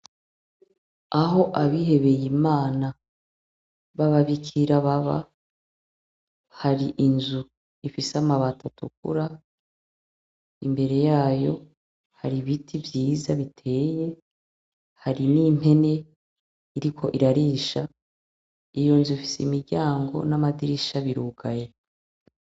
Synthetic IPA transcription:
aɦo̞ʔaβihe̞βe̞jimaːna | βaβaβikʰiɾaβaβa̰ | haɾiʔinzu | ifiseamaβatʰatʰuk̚ṵɾa | ḭmbe̞ɾe̞jaːjo̞̰ | haɾiβitʰivjiːzaβitʰe̞ːje̞ | haɾinim̥he̞ne̞ | iɾikʰo̞ʔiɾaɾiːʃa | ijonzuifi̥seimiɾɟaːŋɡo̞̰namadiɾiʃaβiɾuːɡ̥aje

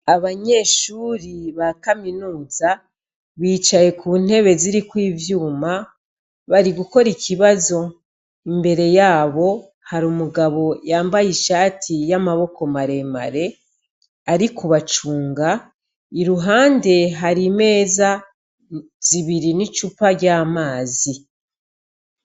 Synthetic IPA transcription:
aβaɲe̞ːʃuɾiβakaminuːza | βiːt͡ʃaje̞kuːn̥e̞βe̞ziɾikwiːvjuːma | βaɾiɡuko̞ɾikʰiβazo̞ | imbe̞ɾe̞jaːβo̞ | haɾuːmuɡaβo̞jaːmbajiʃaːtʰijamaβo̞ko̞maɾe̞ma̰ɾe̞ | aɾikʰuβat͡ʃuːŋɡa | iɾuɦaːnde̞ɦaɾime̞ːza | z̥iβiɾinit͡ʃupaɾɟaːmaːzi

